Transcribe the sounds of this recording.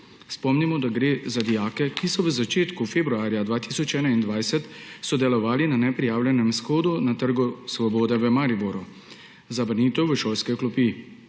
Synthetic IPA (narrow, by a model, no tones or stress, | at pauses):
spɔmnimɔd̪aɡɾeːzad̪ijaːkɛkisɔʋəzat͡ʃeːt̪kufebɾuaːɾjad̪ʋaːt̪iːsɔt͡ʃɛːnaind̪ʋajsɛt̪sɔd̪ɛlɔʋaːlinanɛpɾijaːwlʲɛnɛmsxɔːd̪unat̪əɾɡusʋɔbɔːd̪ɛʋəmaɾibɔɾɔ | zabɾniːt̪ɛwʋəʃoːlskɛklɔpi